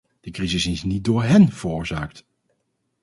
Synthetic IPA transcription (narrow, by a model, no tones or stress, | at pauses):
d̥əkrizɪsɪsnit̚dʊːɹɦɛnv̥ərʊːɹzaːk̚t